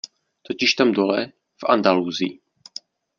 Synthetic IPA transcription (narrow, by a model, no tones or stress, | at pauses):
t̪ocɪʃt̪amdolɛ | fʔa̰nd̪aluːziː